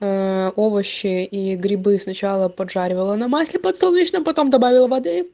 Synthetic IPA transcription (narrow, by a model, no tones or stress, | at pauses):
əovəɕːɪiɡɾʲɪbɨsnɐt͡ɕalˠəpɐdʐaɾʲɪvəlˠənɐmasʲlʲɪpət̪solˠnʲit͡ɕnəmpɐt̪o̞md̪ɐbavʲɪlˠəvɐd̪ɨ